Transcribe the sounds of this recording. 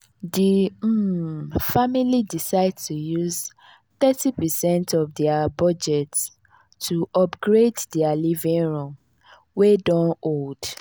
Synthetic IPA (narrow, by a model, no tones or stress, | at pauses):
di | familidisaɪdtujuz | θɛtipɛsɛ̃ntɔvdɛabɔd͡ʒɛts | tːuʔɔpɡɹeddɛalivĩŋɹɔ̃m | wedɔ̃nold̥